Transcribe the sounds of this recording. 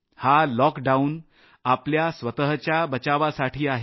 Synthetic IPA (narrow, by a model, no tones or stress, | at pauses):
halɔkɖaun | apljasʋət̪əɦt͡ɕjabət͡ɕaʋasaʈʰiːaɦe